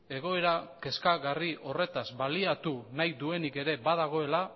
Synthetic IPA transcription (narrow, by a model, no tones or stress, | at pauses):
e̞ɣ̞o̞e̞ɾake̞skaɣariʔo̞re̞t̪azbaliat̪unajd̪ue̞nike̞ɾe̞baðaɣ̞o̞e̞la